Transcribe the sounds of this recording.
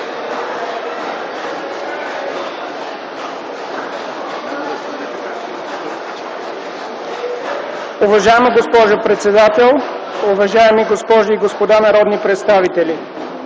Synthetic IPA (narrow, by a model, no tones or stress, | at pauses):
ʊvɐʒaɛmiɡospɔʒʊpɾɛt̪sɛd̪at̪ɛlˠ | ʊvɐʒaɛmiɡospɔʒʊiɡospod̪anɐɾɔd̪nipɾɛt̪st̪avit̪ɛli